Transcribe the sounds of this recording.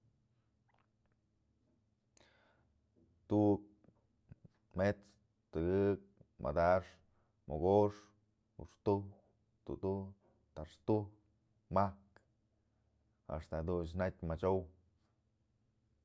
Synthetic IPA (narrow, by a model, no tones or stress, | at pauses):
t̪uk̚ | met͡s | t̪ɨɡɨk̚mʔa̰d̪aʂ | mʔoɡoʂ | ṵʂt̪uhk | t̪ṵd̪u | t̪aʂt̪uhk | mahk | a̰ʂt̪ad̪unt͡ʃnat̪ʲmat͡ʃow